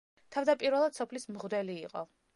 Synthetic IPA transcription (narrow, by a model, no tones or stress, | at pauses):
t̪ʰavd̪apʼiɾvɛlˠad̪̥sɔpʰlismʁd̪ɛliːqʼɔ